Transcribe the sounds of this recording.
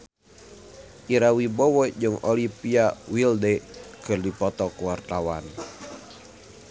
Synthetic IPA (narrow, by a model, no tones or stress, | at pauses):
ʔiɾawibɔwɔd͡ʒɨŋɔlipiawildɛkɨrdipɔt̪ɔkuwart̪awan